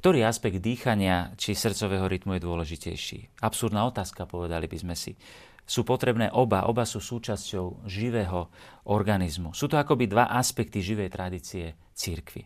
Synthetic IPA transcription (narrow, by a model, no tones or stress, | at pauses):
kt̪ɔɾiːaspɛɡd̪̚d̪iːxaɲɪat͡ʃisr̩t͡sɔʋɛːɦɔɾit̪mujɛd̪ʊɔlɛʒicɛ̰jʃḭːapsuɾd̪naːɔt̪aːskapɔʋɛd̪alibizmɛsḭ | suːpɔt̪ɾɛbnɛːʔɔbaʔɔbasuːsuːt͡ʃascɔʊʒiʋɛːɦɔʔɔɾɡanizmusuːt̪ɔakɔbid̪ʋaʔaspɛk̚t̪iʒiʋɛjt̪ɾad̪iːt͡siɛ | t͡siɾkʋḭ